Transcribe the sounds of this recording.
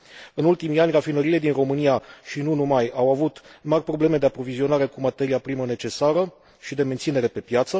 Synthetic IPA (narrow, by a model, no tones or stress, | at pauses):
ɨnult̪imianʲrafinəɾile̞d̪inro̞mɨnijaʃinunumajawavut̪marʲpɾo̞ble̞me̞d̪e̞apɾo̞vizio̞naɾe̞kumat̪e̞ɾiapɾiməne̞t͡ʃe̞saɾə | ʃid̪e̞ment̪sine̞ɾe̞pe̞pjat̪sə